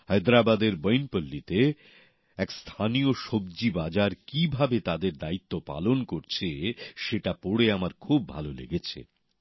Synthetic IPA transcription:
hɔjd̪ɾabad̪eɾbojnpolːit̪e | ɛkst̪ʰanioʃobd͡ʑibad͡ʑaɾkibʱabet̪ad̪eɾd̪ait̪ːopa̰lonkoɾt͡ɕʰeʃeʈapoɽeamaɾkʰubːʱa̰lolḛɡet͡ɕʰḛ

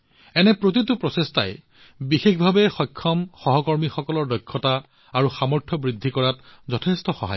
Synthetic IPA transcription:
ɛnɛpɹot̬itupɹɔsesta̰j | bixexbʱabɛxɔjkʰːɔmxɔɦɔkɔɹmixɔkɔlɔɹdɔjkʰːɔta | aɹuxamɔɹtʰɔbɹidʱːikɔɹatzɔtʰestɔxɔ̰ɦa̰j

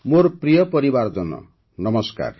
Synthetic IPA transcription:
moɾpɾijʌpʌɾibaɾd͡zʌnɔ̰ | nʌmʌska̰r

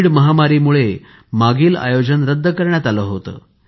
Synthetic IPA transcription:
ɽməɦamaɾiːmuɭe | maɡiːla̰jod͡ʑənɾəd̪ʱːəkəɾɳjat̪aləːɦot̪ə̰ː

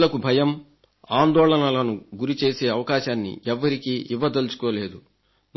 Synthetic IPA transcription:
lɐkubʱɐjɐm | aːnd̪ɔːɭɐnɐlɐnuɡuɾit͡ʃe̞ːse̞ːɐʋɐkaːʃaːnːḭʔɛʋːɐɾikiːʔiʋːɐd̪elut͡ʃu̥koːle̞ːd̪u | n

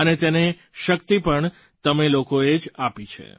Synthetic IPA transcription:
ənet̪ene | ʃəkt̪ipəɳ | t̪əmelokoed͡ʒapit͡ʃʰḛ

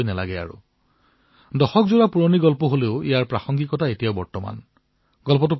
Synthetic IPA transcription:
jnɛla̰ɡɛa̰ɹṵ | dɔxɔkzuɹapuɹoniɡɔlpɔɦoleʊḭjaɹpɹaxɔŋɡikɔtʰaetijaʊbɔɹtɔma̰n | ɡ̥ɔlpɔt̬up

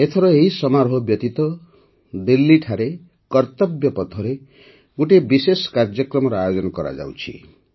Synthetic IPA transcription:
et̪ʰɔɾɔeɦisɔmaɾɦɔbjɔt̪it̪ɔ | d̪ilːiʈʰaɾe | kɔɾt̪ɔbjɔpɔt̪ʰɔɾe | ɡuʈebiseskaɾd͡ʒjɔkɾɔmɔɾɔajod͡ʒɔnɔkɔɾa̰d͡ʒa̰wt͡ʃʰḭ

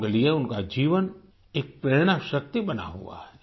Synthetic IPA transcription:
ɡlijeʊnkad͡ʒiːʋən | eːk̚pɾeːɽ̃aʃɐk̚t̪ibɐna̰ɦṵa̰ɦɛ

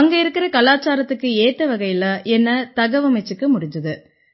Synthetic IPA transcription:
ɐŋɡɐɪɾɯkːɪɾɐkɐlaːt͡ʃːaːɾɐt̪ːɯkːɯeːt̪ːɐʋɐɣɐjɪlɐʔɛnːɐt̪ɐɣɐʋɐmɐt͡ʃːɯkːɯmʊɽɪɲd͡ʒɯðɯ

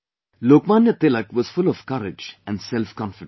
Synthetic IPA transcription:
loːkmaːnjət̪eləkʋɔz̥fʊlɔʋkʌɾɪd͡ʒɛ̃nsɛlfkɔ̃nfɪɖ

